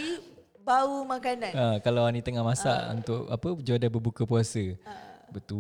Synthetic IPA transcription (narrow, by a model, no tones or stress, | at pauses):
i | baumakanãnakalawanĩt̪əŋahmasa̰ʔṵnt̪ʊʔa̰pəd͡ʒuadabəbukəpuasəbət̪u